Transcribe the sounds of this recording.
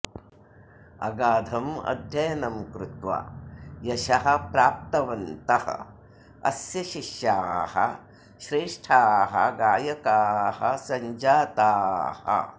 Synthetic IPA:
ɐ̰ɡaːd̪ʱɐmɐ̰d̪ʱjɐjɐnɐmkɾut̪ʋa̰ːjɐʃɐɦɐ̆pɾaːp̚t̪ɐʋɐnt̪ɐhɐ̰ | ɐ̰sjɐʃiʃjaːɦɐ̰ | ʃɾeːʂʈʰaːɦɐ̰ɡaːjɐkaːhɐ̰sɐɲd͡ʒaːt̪aːhɐ̰

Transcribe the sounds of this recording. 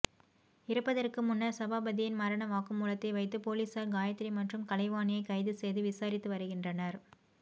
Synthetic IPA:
ɪɾɯpːɐðɐrkɯmʊnːɐɾsɐbaːbɐðɪjɪnmɐɾɐɳɐʋaːkɯmuːlɐt̪ːɐɪʋɐɪt̪̬ːɯpoːliːsaːɾɡaːjɐt̪ːɪɾimɐʈrɯmkɐlɐɪʋaːnɪjɐɪkːɐɪðɯsɛjðɯʋɪsaːɾɪt̪ːɯʋɐɾɯɣɪndrɐnɐɾ

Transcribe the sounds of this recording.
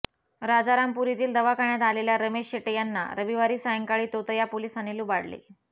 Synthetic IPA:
ɾad͡zaɾampuɾit̪iːld̪əʋakaɳjat̪aleljaɾəmeɕeʈəjanːa̰ɾəʋiʋaɾiːsajəŋkaɭiːt̪ot̪əjapolisaneluːbaɽlḛ

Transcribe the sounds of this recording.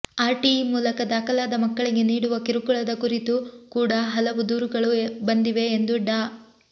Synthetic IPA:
aːɾʈimuːlɐkɐd̪aːkɐlaːd̪ɐmɐkːɐɭiɡe̞niːɽuʋɐkiɾukuɭɐd̪ɐkuɾit̪ukuːɽɐɦɐlɐʋud̪uːɾuɡɐɭubɐnd̪iʋe̞ːnd̪uɖaː

